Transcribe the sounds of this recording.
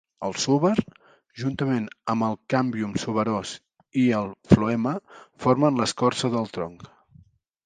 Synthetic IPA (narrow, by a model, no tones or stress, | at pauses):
əlˠsuβəɾ | ʒunt̪əmenəmbəlˠkambiumsuβəɾɔs | iəlˠfluɛməfoɾmənləskɔrsəðəlˠt̪ɾɔŋk